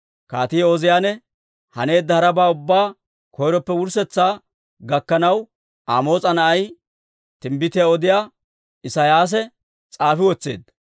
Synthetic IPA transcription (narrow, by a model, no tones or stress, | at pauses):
kaːt̪ɪjoːzɪjaːnɛ | hɐne̞ːd̪ːɐhɐɾɐbaːʊbːaː | kʰɔjɾɔpːɛwʊɾsɛt͡sːaː | ɡɐkːɐnɐw | aːmo̞ːt͡sʼɐnɐʔɐj | t̪ɪmbɪt̪ɪjaɔd̪ɪjaː | ɪsɐjaːs̬ɛ | t͡sʼaːfɪwɔt͡sːḛːd̪ːɐ